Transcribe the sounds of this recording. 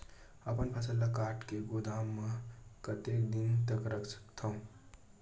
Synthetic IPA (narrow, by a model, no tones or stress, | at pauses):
əpənpʰəsəlakaʈkeɡod̪ʱamːəkət̪ek̚d̪int̪əkɾəkʰsə̥kt̪ʰəʊ̃